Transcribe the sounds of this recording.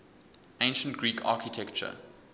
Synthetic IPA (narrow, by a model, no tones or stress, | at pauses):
ẽɪ̃nʃə̃ntɡ̥ɹiːkʰa̰ˑkitʰɛkt͡ʃə̰